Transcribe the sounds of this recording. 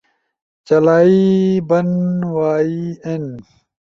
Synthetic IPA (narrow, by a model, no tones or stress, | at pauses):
t͡ɕɐlaːibɐnwaːien